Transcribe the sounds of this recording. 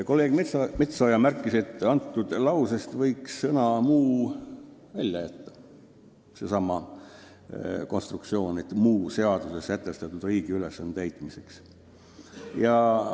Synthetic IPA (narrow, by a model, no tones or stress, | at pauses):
ko̞lːe̞ːɡ̥met̪sɑmet̪sojɑmærkːˑise̞t̪ˑːɑnt̪ˑːud̪̥lɑwsest̪vɤjksːɤnɑmuː | vælʲjɑjæt̪ːɑ̥ | se̞sɑmɑ | ko̞nst̪rukt̪sio̞ːnet̪ːmuːse̞ɑd̪̥use̞skæt̪ːˑest̪ɑt̪ːud̪riːɡ̥iyle̞sːɑnːet̪æjt̪ːˑmise̞ks | jɑ